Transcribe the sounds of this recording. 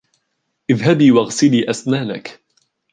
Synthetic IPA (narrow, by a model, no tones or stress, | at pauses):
ʔɪðɦabiːwaɣsɪliːʔasnaːnak